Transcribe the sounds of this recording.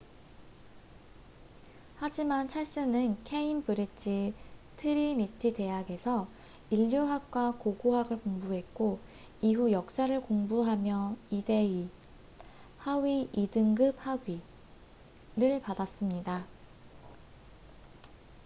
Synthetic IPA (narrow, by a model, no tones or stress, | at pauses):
had͡ʑimant͡ɕʰaɭs͈ɯnɯnkʰe̞impɯɾit͡ɕʰitʰɯɾinitʰite̞jaɡe̞sʰʌ | iʎːoɦak̚k͈wakoɡoɦaɡɯɭkoŋbuɦe̞t̚k͈o | iɦujʌk̚s͈aɾɯɭkoŋbuɦamjʌide̞i | hawɥiidɯŋɡɯp̚haɡɥi | ɾɯɭpadas͈ɯmɲida